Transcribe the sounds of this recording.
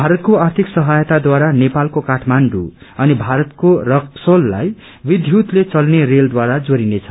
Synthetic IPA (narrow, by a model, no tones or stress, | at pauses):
bʱaɾʌt̪̚koart̪ʰiksʌɦajt̪ad̪waɾanepalkokaʈʰmanɖṵʌnibʱaɾʌt̪korʌksolːa̰j | bid̪ʱjut̪let͡sʌlnereld̪waɾad͡zoɾinet͡sʰʌ